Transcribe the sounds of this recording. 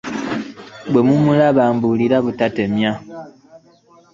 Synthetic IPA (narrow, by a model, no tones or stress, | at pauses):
bwemumulaβaːmbuliɾaβutatemja